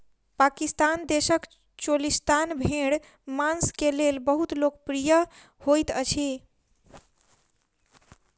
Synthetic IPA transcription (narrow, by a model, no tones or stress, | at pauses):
pakist̪and̪esək | t͡ʃolist̪anbʱeɽ | manskelelbəɦut̪lokpɾijə | hojt̪ət͡ʃʰi